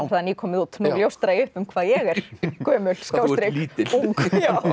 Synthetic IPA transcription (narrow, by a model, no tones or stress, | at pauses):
ɾθaðnjikʰɔːmɪðuːt̪nuljowst̪ɾaiʏhpʏmkʰvaːðjɛɣɛɾ̥kœːmʏlskawst̪ɾɪiuŋkjaw